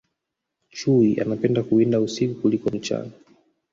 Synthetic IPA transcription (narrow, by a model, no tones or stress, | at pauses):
t͡ʃuiʔa̰napɛndakuindausikukulikɔm̩t͡ʃa̰na